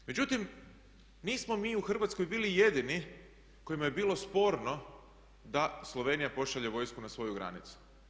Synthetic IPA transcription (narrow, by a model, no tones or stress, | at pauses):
me̞d͡ʑut̪im | niːsmo̞miːuxr̩ʋat̪skojbiːlije̞d̪ini | ko̞jimajebiːlˠo̞spo̞ɾno̞ | d̪aslˠo̞ʋe̞ːnijapo̞ʃaʎe̞ʋo̞jskunasʋo̞juɡɾa̰nit̪su̥